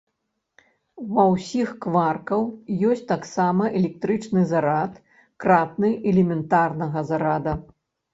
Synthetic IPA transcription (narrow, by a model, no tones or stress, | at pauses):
vɐwsʲixkvarkɐwjɔsʲt͡sʲt̪aksamɐʔɛlʲɛk̚t̪ɾɨt͡ʂnɨzaɾat̪ | kɾat̪̚nɨʔɛlʲɛmʲɛnt̪arnɐɣɐzaɾad̪ɐ